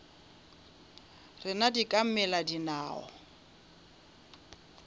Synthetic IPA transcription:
rɪnadikʼam̩mɛladinaːɔ̰

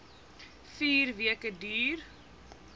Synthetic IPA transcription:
fiːrviəkədyːr

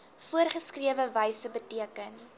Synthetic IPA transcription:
fuərχəskriəvəvəjsəbətiəkən

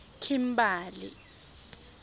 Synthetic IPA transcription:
kʰim̩baːlḭ

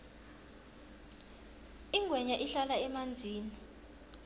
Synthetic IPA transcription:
iŋʱwɛɲaʔiɬalaɛmand͡zʱiːni

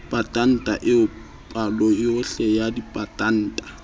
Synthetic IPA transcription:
pʼatʼan̩tʼaʔɪʊ | pʼalɔɪʊɬɛjadipʼatʼan̩ːtʼḁ

